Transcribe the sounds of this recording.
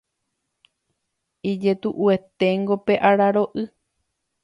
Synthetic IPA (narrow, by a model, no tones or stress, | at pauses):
id͡ʒe̞t̪uʔue̞t̪e̞ŋɡo̞pe̞ʔaɾaɾo̞ʔɨ